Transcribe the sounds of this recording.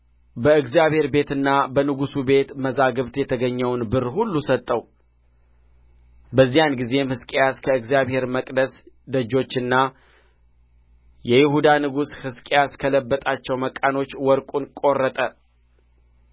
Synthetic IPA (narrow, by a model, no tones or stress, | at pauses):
bəɨɡzijaβhe̞ɾbe̞t̪ɨnːabənɨɡusube̞t̪məzaɡɨβt̪jɛt̪ʰəɡəɲːəwnbɨrːhulːusət̪ʼːəw | bəzːijanɡize̞mhɨskʼejaskʰəɨɡzijaβhe̞ɾməkʼd̪əs | d̪əd͡ʒːo̞t͡ʃːɨnːa | jɛjɪhud̪anɨɡushɨskʼejaskʰələbːət̪ʼat͡ʃːɛwməkʼano̞t͡ʃːwɔɾkʼunkʼo̞rːət̪ʼə